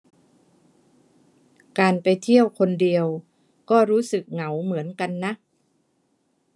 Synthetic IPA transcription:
kaː˨npa˨jt̪ʰi˥˩əwkʰo˧ndi˨˧əw | kɔː˥˩ɾuː˦˥sɯ˨˩k̚ŋa˩˦wmɯ˩˦ənka˧nːa˦˥ʔ

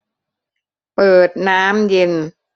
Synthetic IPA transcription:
pɤː˨˩t̪̚naː˦˥mje˧n

